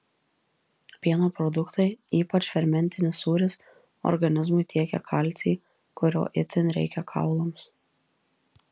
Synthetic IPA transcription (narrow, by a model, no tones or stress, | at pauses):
pʲiɛnoːpɾɔd̪ʊkt̪ɐɪiːpɐt͡ʃʲfʲɛɾʲmʲɛnʲt̪ʲɪnʲɪsuːɾʲɪs | ɔ̰ɾɡɐnʲɪzmʊɪt̪ʲiɛkʲɛ̰kʰɐlʲˑt̪sʲiː | kʊɾʲo̰ːʔɪt̪ʲɪnɾʲɛ̰ɪkʲɛkʰɑ̰ʊlˠoms